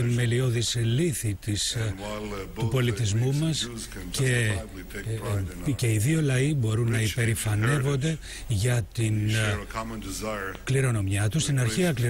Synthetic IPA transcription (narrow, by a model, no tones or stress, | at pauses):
inme̞lio̞ðisliθit̪is | t̪upo̞lit̪izmumɐs | ce | ce̞iðio̞lɐibo̞ɾunːɐipe̞ɾifɐne̞vo̞nd̪e̞ | ʝɐt̪in | kliɾo̞no̞mɲɐt̪ust̪inɐɾçiɐkli